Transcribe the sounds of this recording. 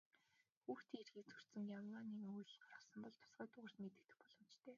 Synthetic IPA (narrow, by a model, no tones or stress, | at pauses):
xuːxt̪iːŋerxiːt͡sʰɵr̥t̪sɘ̆ŋjamaːniːŋujɮɢarə̆χsə̆mpɔɮt̪ʰʊ̥sɢæːt̪ʊʁə̆rt̪met̪ɘ̆k̚t̪ɘ̆k̚pɔɮɞ̆m̥t͡ɕt̪ʰeː